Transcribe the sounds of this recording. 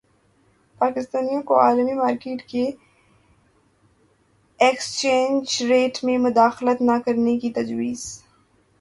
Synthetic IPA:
paːkɪst̪aːnijãkoaːlmimaːɾkeːʈke | ekst͡ʃẽːnd͡ʒɾeːʈmẽmʊd̪aːxlət̪nakɐɾnekit̪ɐd͡ʒwiːz

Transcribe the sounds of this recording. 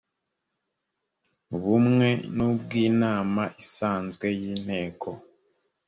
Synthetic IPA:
βumŋe̞nubɡiːnaːmaʔisaːnzɡwe̞jiːn̥he̞ːkʰo̞

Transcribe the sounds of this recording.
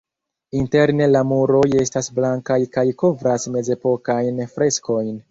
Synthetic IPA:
inte̞ɾne̞lamuɾo̞je̞stasblaŋkajkajko̞vɾasme̞ze̞po̞kajnfɾe̞sko̞jn

